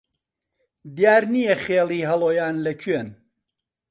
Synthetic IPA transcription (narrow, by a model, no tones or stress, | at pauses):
d̪jaːɾnijɛχeːlˠiːɦɐlˠoːjaːnlɐkʰɥen